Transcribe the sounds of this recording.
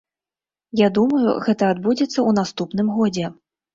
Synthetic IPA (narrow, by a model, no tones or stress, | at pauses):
jad̪umɐjṵɣɛt̪ɐːd̪bud͡zʲɛt̪sːɐunast̪upnɨmɣɔd͡zʲɛ